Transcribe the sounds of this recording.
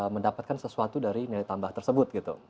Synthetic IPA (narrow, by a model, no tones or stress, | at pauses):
məndapat̪̚kansəsuat̪udaɾinilajt̪ambaht̪ərsəbʊt̪̚ɡit̪ṵ